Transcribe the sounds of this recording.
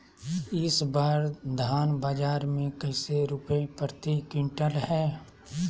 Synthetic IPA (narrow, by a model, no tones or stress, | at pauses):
ɪsbaːɾd̪ʱaːnbaːd͡ʒaːɾmẽkɐɪseɾʊpepɾət̪ikɪ̃ɳʈəlhɛː